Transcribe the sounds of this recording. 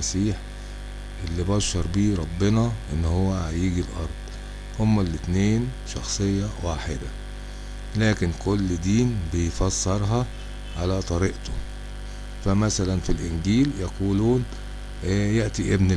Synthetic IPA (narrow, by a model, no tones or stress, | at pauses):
æsiːħ | ʔelːibɑʃːɑɾˤbiːɾˤɑbːenɑʔenːhowːæajiːɡilʔɑ̰ɾˤd̪̥ˤ | homːælːɪt̪neːn | ʃɑxsˤejːɑwaːħed̪æ | læːkɪnkolːd̪iːnbejfɑsˤːɑɾˤɦɑ | ʕalæt̪ˤɑɾiʔt̪o | fæmæsælænfilʔɪnɡiːljæquːluːn | jeʔt̪iʔebn